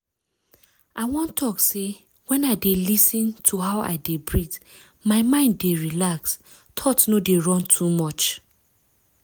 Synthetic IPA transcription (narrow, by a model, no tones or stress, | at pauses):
ʔaɪwɔ̃ntʰɔkse | wɛ̃naɪdelisĩntʰuɦaʊʔa̰ɪdebɹid | maɪmãɪ̃ndeɹilaks | tʰɔtnodeɹɔ̃ntʰumɔt͡ʃ